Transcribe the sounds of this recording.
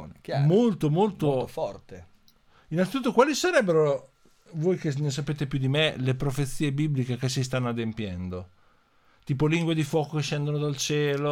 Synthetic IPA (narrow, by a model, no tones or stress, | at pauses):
nmolt̪omolt̪ofɔrt̪e | inalt̪it̪ut̪ːokwaːlisaɾɛbːeɾo | voːjkenes̬apeːt̪epjud̪imelepɾofet̪sːiːebiblikekes̬is̬t̪anːoad̪empjɛnd̪o | t̪iːpoliŋɡwed̪ifwɔːkokeʃːɛnd̪onod̪alt͡ʃɛːlo